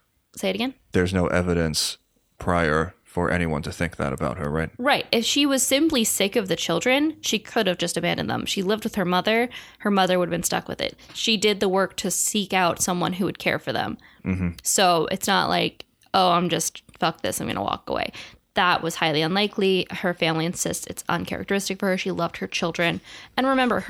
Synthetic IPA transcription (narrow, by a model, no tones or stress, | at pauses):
seɪɨɾɨɡɛ̃nðə˞znoʊʔɛvɨɾɨ̃ns | pʰɹ̥aɪə˞fə˞ʔɛ̰niwʌ̰̃ntʰɨθɪ̃ŋk̚ðɨ̰ɾɨ̰baʊt̚hə̰˞ɹaɪt̚ɹaɪt̚ɨfʃiwʌz̥sɪ̃mplisɪkʌvðɨt͡ʃʰɪlˠdɹɨ̃nʃikʰʊɾɨvd͡ʒʌstɨbæ̃ndɨ̰̃nðə̰̃mʃilɪvd̚wɨð̥ə˞mʌðə˞hə˞mʌðə˞wʊɾəvbɨ̃nstʌ̰kwɨ̰ðɪ̰t̚ʃidɪd̪̚ðəwɜ˞k̚tʰɨsikaʊtsʌ̃mwʌ̰̃nɦuwɨd̚kʰɛ̰ɹfə˞ðə̰̃m̩m̥̩soʊʔɨ̰tsnə̰ʔlʔa̰ɪk | oʊãɪ̃md͡ʒʌstfʌk̚ðɪ̰sãɪ̃mɡʌ̰nə̰wɔ̰kə̰wḛɪðəʔ̚wʔʌz̥haɪlˠiə̃nlaɪkʰlihə˞fæ̃mliɨ̃nsɪ̰stsɨ̰tsə̰̃nkʰɛ̰ɹ̰k̚tə˞ɪstɨkfə˞ə˞ʃilʌvd̚hə˞t͡ʃʰɪlˠdɹɨ̃nɨ̃nɹɨmɛ̃mbə̰˞